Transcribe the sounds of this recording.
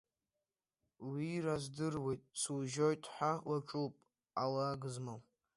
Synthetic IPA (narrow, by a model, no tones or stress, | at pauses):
wirazdɨrwe̞jtʼswʒojtʼħʷawat͡ʃʷʼupʼ | alaɡɨzmaw